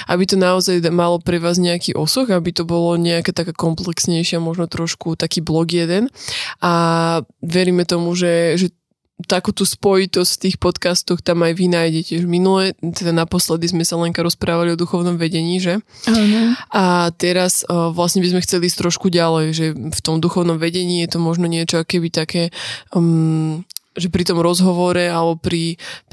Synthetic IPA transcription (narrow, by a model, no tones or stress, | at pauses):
ʔa̰bit̪ɔnaɔzajmalɔpɾɛʋaːzɲɛakiʔɔsuxabit̪ɔbɔlɔɲɛakɛːt̪akakɔmplɛksɲɛjʃɪamɔʒnɔt̪ɾɔʃkut̪akiːblɔɡjɛd̪ɛnʔa | ʋɛɾiːmɛt̪ɔmuʒɛʒɛ | t̪akuːt̪uːspɔjit̪ɔscft̪iːxpɔt̪kast̪ɔxt̪amajʋinaːjɟɛcɪɛʒminulɛt̪ɛd̪anapɔslɛd̪izmɛsalɛŋkaɾɔspɾaːʋaliɔd̪uxɔʊnɔmʋɛɟɛɲiːʒɛ | anat̪ɛɾasʋlasɲɛbizmɛxt͡sɛliːs̬t̪ɾɔʃkuɟalɛjʒɛft̪ɔmd̪uxɔʊnɔmʋɛɟɛɲiːjɛt̪ɔmɔʒnɔɲɪɛt͡ʃɔakɛbit̪akɛː | ʒɛpɾit̪ɔmɾɔzɦɔʋɔɾɛalɛbɔpɾi